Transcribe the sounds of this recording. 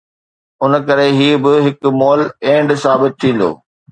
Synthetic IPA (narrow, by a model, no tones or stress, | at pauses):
ʊn̆kɐɾeɦiːbɪɦɪkmoːlẽːɳɖsaːbɪt̪̚tʰːĩːn̆d̪o̰ː